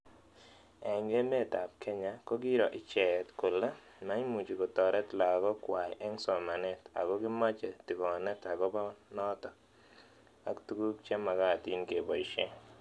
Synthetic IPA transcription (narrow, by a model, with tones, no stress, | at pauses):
ɛ˨ŋɡe˦me˦˨ta˨p̚kʰe˦ɲa˨ko˦ɡi˦ɾɔ˨ʔɪ˨t͡ʃɛ˨tko˨le˦ | ma˦i˦mu˨t͡ʃi˨ko˨tɔ˨ɾɛ˦tla˨ɡɔ˦kwa˨ʔɛ˦ŋsɔ˨ma˨nɛ˦ta̰˨ɡɔ˦ɡɪ˦ma˦t͡ʃe˨ti˨kɔ˨nɛ˦ta˨ɡɔ˦ba˦nɔ˦tɔ˦ | a˨ktu˦ɡu˦kt͡ʃe˦ma˨ɡa˦˨ti˦ŋke˨bɔ˨i˨ʃe˦